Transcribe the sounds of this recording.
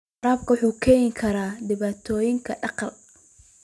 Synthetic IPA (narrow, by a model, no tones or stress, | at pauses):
ɾaːb̚kʰɐwʊħuːkʰɛːjɪŋkʰɐɾaːdɪβaːt̪ʰɔːjɪŋkʰɐɖɑqɑl